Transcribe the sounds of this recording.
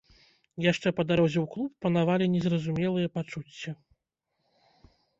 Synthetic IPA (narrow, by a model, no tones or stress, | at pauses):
jaʂt͡ʂɛpɐd̪aɾɔzʲiwklˠupːɐnavalʲinʲɛzɾɐzumʲɛlˠɨjɐpat͡ʂut͡sʲːɐ